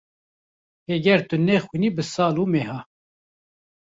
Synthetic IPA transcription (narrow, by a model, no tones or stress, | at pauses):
hɛɡɛɾt̪ɨnɛxwiːniːbɨsɑːluːmeːɦɑː